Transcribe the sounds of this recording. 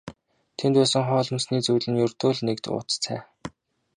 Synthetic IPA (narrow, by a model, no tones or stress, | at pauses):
t̪ʰent̪pæːsə̆ŋχɔːɮɞ̆msniːt͡suwɮɘ̆njɵrt̪oːɮnekt̪ʊ̰ːt͡st͡sʰæː